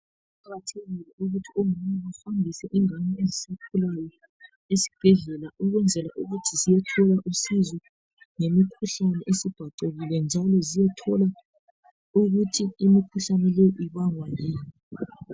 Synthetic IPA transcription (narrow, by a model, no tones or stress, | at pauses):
pʰaɣatʰeɣilɛʔuɣutʰiomumaβafamdʱisɛʔiŋaɲɛezisakʰulajɔ | esi̥b̥ʱɛɮɛlaʔuɣwɛnd͡zʱɛlaʔuɣutʰizijɛtʰɔlaʔusizɔ | ŋemikʰuɬanɛʔesib̥ʱaǀeɣilɛnd͡ʒʱalɔzijɛtʰɔla | uɣutʰiimikʰuɬanɛlejɔʔiβaŋwajiːni